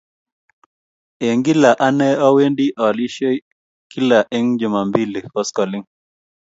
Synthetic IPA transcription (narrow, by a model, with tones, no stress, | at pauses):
e˨ŋɡi˦la˨ʔa˦nɛ˦ɔ˦we˦ndi˦ʔɔ˨li˦ʃe˦ | ki˦la˨ʔe˦ŋd͡ʒʊ˨ma˨mbi˦li˨kɔ˦skɔ˨li˦ŋ